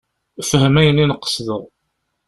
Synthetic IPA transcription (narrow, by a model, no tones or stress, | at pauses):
fəɦəmæjənːinəqːə̥sðəʁ